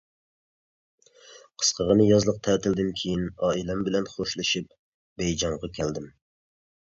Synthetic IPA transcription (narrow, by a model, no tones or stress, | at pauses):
qʰə̥sqʰəʁənɨjɑzlˠəq̚t̪ʰɛːt̪ʰɪld̪ɪmkʲʰijinɑːilɛmbɪlɛnχoʃlˠɨʃip | bɛjd͡ʒɑɴʁɑkʲʰɛld̪ɪm